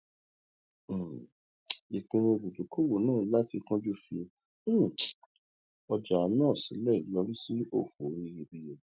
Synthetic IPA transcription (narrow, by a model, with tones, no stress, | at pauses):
i˨k͡pẽ˧o˧bu˨d͡ʒu˨˦ko˦wo˨˦nãː˦˨˦la˦ti˧kã˦d͡ʒu˦fĩ˧˦˨ | ɔ˧d͡ʒa˨˧nãː˦˨sḭ̃˨˦lɛ˦˨i˨lɔ˧ɾi˦si˦o̰˦˨fo˨˦nĩ˧ɾĩ˧bi˧je˧˨